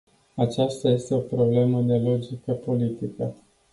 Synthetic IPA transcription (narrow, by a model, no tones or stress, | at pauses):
at͡ʃast̪aje̞st̪e̞o̞pɾo̞ble̞məd̪e̞lo̞d͡ʒikəpo̞lit̪ikə